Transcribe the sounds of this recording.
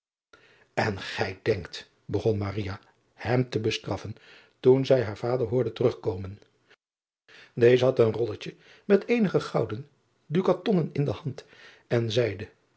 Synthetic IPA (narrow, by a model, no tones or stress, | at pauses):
ɛnχɛjdɛŋkt | bəχɔnmarija | hɛmtəbəstrɑfən | tunzɛjɦaːɹv̥aːdəɹɦʊːɹdətərɵχkowmən | dejzəɦɑtənrɔlət͡ʃə | mɛtejnəχəχɑwdən | dykatɔnənɪndəhɑnt | ɛnzɛjdə